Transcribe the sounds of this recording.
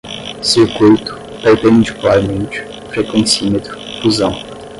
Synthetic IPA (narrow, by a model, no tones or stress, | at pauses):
siɾkujt̪ʊ̥ | peɾt̪ẽnd͡ʒikalmẽnt͡ʃɪ̥ | fɾekwẽsimet̪ɾʊ̥fuzɐ̃w̃